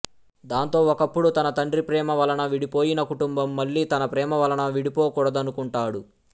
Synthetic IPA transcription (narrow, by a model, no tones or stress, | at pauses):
d̪aːnt̪o̞ːɔkɐpːuɽut̪ɐnɐt̪ɐɳɖɾipɾɛːmɐʋɐlɐnɐʋiɽipoːjinɐkuʈumbɐmːɐlːiːt̪ɐnɐpɾɛːmɐʋɐlɐnɐʋiɽipoːkuːɽɐd̪ɐnukuɳʈaːɽu